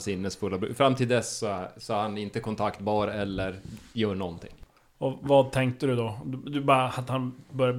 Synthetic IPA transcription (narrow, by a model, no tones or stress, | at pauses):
sɪnːəsfɵlːabɾʉ̰ːfɾamːt̪ʰɪld̪ɛsːɔsɔæɾhanɪnt̪əkʰɔnt̪ʰakt̪bɑːɾɛlːəɾjœːɳɔnt̪ʰɪ̰ŋ | ɔvɑːd̪̚t̪ʰɛŋkt̪əd̪ɵd̪ɔd̪d̪ɵbɑɾaat̪hanbœɾjab